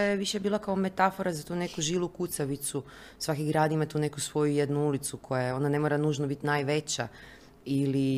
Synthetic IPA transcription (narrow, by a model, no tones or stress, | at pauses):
jeʋiʃebiːlˠakaome̞t̪afo̞ɾazat̪uːne̞kuʒilˠukut̪saʋit̪su | sʋakiɡɾaːd̪imat̪uːne̞kusʋo̞jujed̪nuulit̪sukʰo̞jao̞nane̞mo̞ɾanuːʒnobit̪najʋe̞t͡ɕa | ili